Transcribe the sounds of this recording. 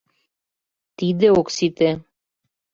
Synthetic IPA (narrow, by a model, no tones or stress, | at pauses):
t̪id̪eoksit̪e